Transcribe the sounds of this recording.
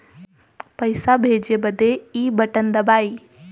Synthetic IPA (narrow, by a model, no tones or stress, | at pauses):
pɐɪsabʱeːd͡ʒebɐd̪ʱeiːbɐʈənd̪ɐbaːiː